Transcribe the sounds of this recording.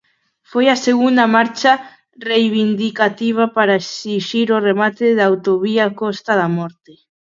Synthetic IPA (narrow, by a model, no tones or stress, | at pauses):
fojaseɣund̪ɐmaɾt͡ʃa | rejβind̪ikat̪iβ̞apaɾaesiʃiɾoremat̪eðaːwt̪oβiakɔst̪aðamɔɾt̪e